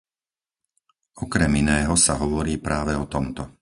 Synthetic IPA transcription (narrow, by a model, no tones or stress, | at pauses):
ɔkɾɛminɛːɦɔsaɦɔʋɔɾiːpɾʔaːʋɛɔt̪ɔmt̪ɔ